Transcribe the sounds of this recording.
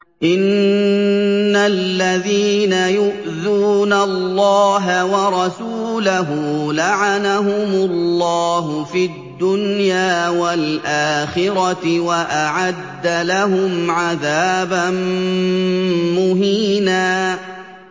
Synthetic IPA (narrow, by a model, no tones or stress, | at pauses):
ʔɪn | alːaðiːnajʊʔ | ðuːnalːɑːɦawɑɾˤɑsuːlaɦuːlaʕanaɦʊmʊlːɑːɦʊfid̪d̪ːʊnjaːwalʔaːxɪɾɑt̪ɪwaʔaʕad̪ːalaɦʊmʕaðaːban | mʊɦiːnaː